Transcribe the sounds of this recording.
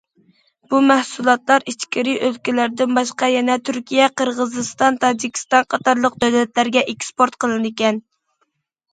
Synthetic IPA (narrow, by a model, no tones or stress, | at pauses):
b̥umɛhsulˠɑt̪lˠɑɾit͡ʃkʲiɾiʔølkʲilæɾd̪ɪnbɑʃqɑjɛnɛt̪ʰyɾkʲijɛqəɾʁəzɨst̪ɑnt̪ʰɑd͡ʒikʲʰi̥st̪ɑnqʰɑt̪ɑɾlˠəqd̪øwlɛt̪læɾɡʲɛʔekʲspoɾt̪qʰəlˠɨnɨkʲɛn